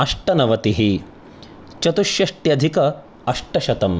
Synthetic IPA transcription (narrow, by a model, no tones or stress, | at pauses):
ɐʂʈɐnɐʋɐt̪iɦi | t͡ʃɐt̪uʃjɐʂʈjɐd̪ʱikɐ | ɐʂʈɐʃɐt̪ɐm